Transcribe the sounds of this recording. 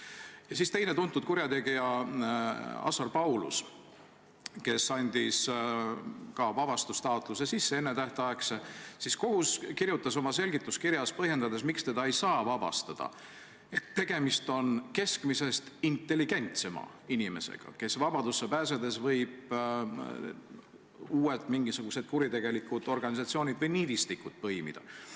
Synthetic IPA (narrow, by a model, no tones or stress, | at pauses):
jɑsiːst̪e̞jnet̪unt̪ːˑud̪̚kuɾjɑt̪e̞ɡ̥ijɑ | ɑ̰sɑrpɑwlṵs | ke̞sɑnʲd̪̥ʲis | kɑvɑb̥ɑst̪ust̪ɑot̪ˑlus̬esisːeenːet̪æht̪eɑeksesisko̞huskirjut̪ːˑɑso̞mɑse̞lʲɡit̪ːˑuskiɾjɑspɤ̞hje̞nd̪ɑd̪e̞smikst̪e̞d̪ɑejsɑːvɑb̥ɑ̰st̪ɑd̪̥ɑ̰ | e̞t̪ːe̞ɡ̥e̞mist̪o̞nke̞skmise̞st̪int̪ːe̞lːiɡ̥e̞nʲt̪se̞mɑ̰ | inime̞̰sḛɡ̥ɑ̰ke̞svɑb̥ɑd̪̥usːepæːs̬e̞d̪e̞svɤ̞jb̥ | uːet̪ˑmiŋɡ̥isuɡ̥use̞d̪̥̚kuɾit̪e̞ɡ̥e̞likːˑud̪o̞rɡ̥ɑnʲis̬ɑt̪sio̞ːnʲid̪vɤjniːd̪ist̪ikːˑud̪̥̚pɤ̞jmḭd̪̥ɑ̰